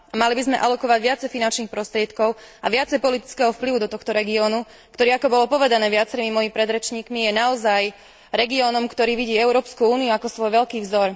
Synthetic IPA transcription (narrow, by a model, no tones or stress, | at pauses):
amalibizmɛʔalɔkɔʋaɟʋɪat͡sɛjfinant͡ʃniːxpɾɔst̪ɾɪɛt̪kɔʊaʋɪat͡sɛjpɔlit̪i̥t͡skɛɦɔfpliʋud̪ɔt̪ɔxt̪ɔɾɛɡiɔːnu | kt̪ɔɾiːakɔbɔlɔpɔʋɛd̪anɛːʋɪat͡sɛɾimimɔjimipɾɛd̪ɾɛt͡ʃɲiːkmijɛnaɔzaj | ɾɛɡiɔːnɔmkt̪ɔɾiːʋiɟiːɛʊɾɔːpskuuːniuakɔsʋɔjʋɛʎkiːvzɔɾ